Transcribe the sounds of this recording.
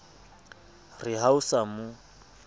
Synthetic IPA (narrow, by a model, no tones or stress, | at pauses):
rɪɦausamʊ